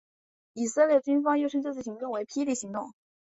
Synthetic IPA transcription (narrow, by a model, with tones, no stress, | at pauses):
i˨˩sɤ˥˧ljɛ˥˩t͡ɕy˥nfɑ˥ŋjo˥˧ʊʂɻə˥˧ʈ͡ʂɤ˥˧t͡sɹ̩˥˩ɕi˧˥ŋt̪ʊ˥˩ŋwe˧˥ɪpʰi˥li˥˩ɕi˧˥ŋt̪ʊ̰˥˩ŋ